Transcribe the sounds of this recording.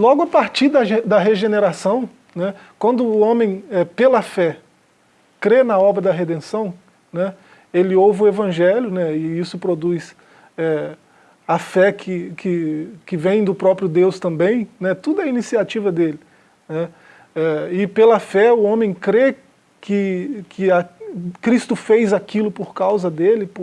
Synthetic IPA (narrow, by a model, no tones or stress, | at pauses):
lɔɡʊɐpaɾt͡ʃiɾd̪ɐʒed̪ɐɦeʒeneɾasɐ̃w̃ | nɛ | kwɐ̃nd̪ʊːõmẽj̃ɛpelɐfɛ | kɾenɐɔbɾɐd̪ɐɦed̪ẽsɐ̃w̃ | nɛ | elɪowvɪʊevɐ̃ʒɛljʊnɛɪisʊpɾod̪ujs | ɛ | ɐfɛkʰɪkʰɪkɪvẽj̃d̪ʊpɾɔpɾjʊd̪ewst̪ɐ̃mbẽj̃nɛt̪ud̪ɐinisiat͡ʃivɐd̪elɪ | nɛ | ɛɪpelɐfɛʊõmẽj̃kɾe | kɪkʰɪakɾist̪ʊfejzakilʊpoɾkawzɐd̪elɪp